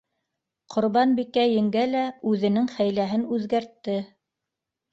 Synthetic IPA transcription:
qʰŏɾβɑnbikæjɘ̆ŋɡælæʉðɘ̆nɘŋχæjlæɦɘnʉðɡæɾt̪ːɘ

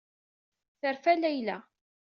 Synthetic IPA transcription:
θəɾfælæjlæ

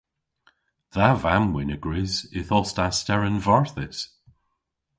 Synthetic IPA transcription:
ðavamwɪnəɡ̥ɹɪzɪθɔstastɛɹənvaɹθɪs

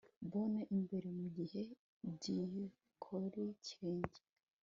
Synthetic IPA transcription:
βonaʔimbe̞ɾemuɟihe̞ | bɟije | kʰoɾicɾeːɲɟe̥

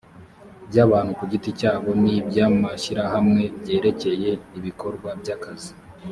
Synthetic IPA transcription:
bɟaːβaːn̥hukuɟiticaːβo̞nibjaːmaʃiɾahamŋe̞bɟe̞ːɾe̞ce̞je̞iβiko̞ɾɡwabjakazi

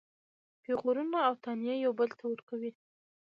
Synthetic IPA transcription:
peɣoɾunaːwt̪ɑnjejawbəlt̪ʰawəɾkawi

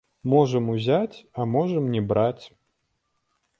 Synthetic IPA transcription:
mɔʐɐmuzʲat͡sʲɐmɔʐəmnʲɛbɾat͡sʲ

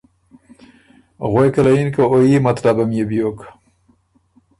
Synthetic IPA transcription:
ɣwejkɐlainkaojimat̪labamjebjok

